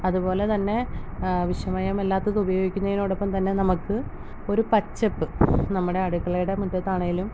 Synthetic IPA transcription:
ɐðupo̞ːle̞t̪ɐnːe̞ʋiʂjɐmaːjɐmelːaːt̪ːɐðɨubɐjo̞ːɡikʲːunːɐðinoːɽopːɐmt̪ɐnːe̞nɐmukːɨ | o̞ɾupɐt͡ɕːɐpːɨnɐmːuɽe̞ɐɽukːɐɭɐjuɽemud̪ɐt̪ːaːɳɐjilum

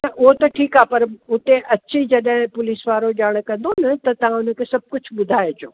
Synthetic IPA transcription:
nɐʔʊɦot̪ɐʈʰiːkaːpɐɾʊt̪ẽʔɐt͡ɕid͡ʑɐɗɦɪ̃pʊliːsʋaːɾoʄaːɽ̃kɐ̃nd̪onɐt̪ɐt̪ɐʋ̤ãʊnəkʰeːsɐb̚ʱkʊd͡ʑʱɓʊd̪ʱaːed͡ʑoː

